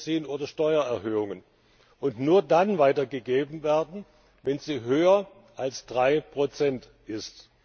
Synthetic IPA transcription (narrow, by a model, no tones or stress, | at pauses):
t͡siːənʔoːdɐʃtɔʏɐɛɐɦøːʊŋən | ʔʊntnuːɐdanvaɪtɐɡəɡeːbm̩veːɐdn̩ | vɛnziːɦøːɐ | ʔalsd̥ʁaɪpʁ̥ot͡sɛnt | ʔɪst